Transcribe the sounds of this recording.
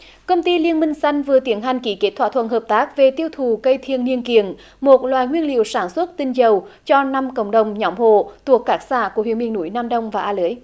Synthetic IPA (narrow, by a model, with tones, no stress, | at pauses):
kə˧wŋ͡mt̪i˧li˧ənmï˧ŋ̟sa˧jŋ̟vɨ˨˩ət̪i˨˦ənɦa˨˩jŋ̟ki˨˦ke˦˥t̪ʰwaː˧t̪ʰwə̰˧˨nhəː˨˩p̚t̪aː˦˥k̚ve˨˩t̪i˧əwt̪ʰu˨˩kə˧jt̪ʰi˧˨ənːi˧ənki˨ən | mo˨˩t̚lwaː˨˩jŋwi˧ənlḭ˧˨ə˨wsaː˧˩nswə˦˥t̚t̪i˧ŋzə˨˩wt͡ɕɔ˧na˧mkə̰˧˩wŋ͡mɗə˨˩wŋ͡mɲɔ˨˧˨mho̰˧˨t̪u˨˩əkːaː˦˥k̚sa̰ː˧˨ku˧˩wḭ˧˩əmɓi˧˨ənṵ˧˩jnaː˧mɗə˧wŋ͡mvaː˨˩ʔaː˧ləː˨˦j